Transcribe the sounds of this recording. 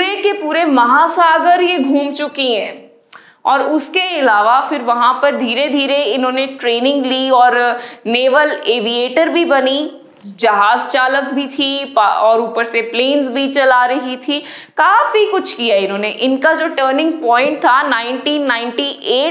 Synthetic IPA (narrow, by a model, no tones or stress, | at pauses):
ɾekepuːɾemɐɦasaːɡəɾjeɡʱũːmt͡ʃʊkiɦɛ̃ː | ɔːɾʊskeɪlaːʋafɪɾʋɐɦãpɐɾd̪ʱiːɾed̪ʱiːɾeɪnɦõːneʈɾeːnɪ̃ŋɡliɔːɾneːʋəleːʋieːʈəɾbʱibɐni | d͡ʒɐɦaːzt͡ʃaːlək̚bʱit̪ʰipaɔːɾuːpəɾsepleːnzbʱit͡ʃɐlaːɾɐɦit̪ʰi | kaːfikʊt͡ʃʰkijaɪnɦõːneʔɪnkad͡ʒoːʈəːɾnɪ̃ŋɡ̚pɔ̃ːɪ̃ɳʈ̚t̪ʰanãːɪ̃ɳʈiːnːaːɪ̃ɳʈiʔeːʈ